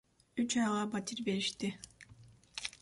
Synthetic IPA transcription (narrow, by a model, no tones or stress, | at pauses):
yt͡ʃɑjʁɑbat̪ʲiɾbe̞ɾiʃt̪ɪ